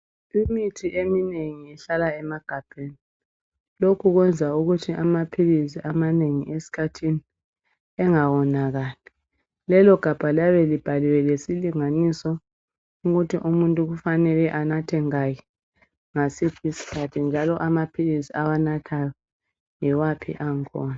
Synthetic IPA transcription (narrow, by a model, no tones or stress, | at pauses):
imitʰiʔemineŋiɛɬalaɛmaɡ̥ʱab̥ʱeni | lokʰuɣwɛnd͡zʱauɣutʰiʔamapʰilisiʔamaneŋiʔesi̥kʰatʰini | ɛŋawɔnaɣaːlɛ | lɛlɔɡ̥ʱab̥ʱalaβɛlib̥ʱaliwɛlesiliŋanisɔ | uɣutʰiʔumuntʼuɣufanɛlɛʔanatʰɛŋaji | ŋasipʰisi̥kʰatʰind͡ʒʱalɔʔamapʰilisiawanatʰajɔ | jiwapʰḭʔaŋkʰɔːna